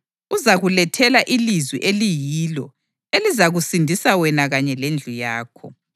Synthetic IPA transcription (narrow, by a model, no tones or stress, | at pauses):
uzaɣulɛtʰɛlaʔilizwḭʔelijilɔ | elizaɣusindʱisawɛnaɣaɲɛlend͡ɮʱujaːkʰɔ̰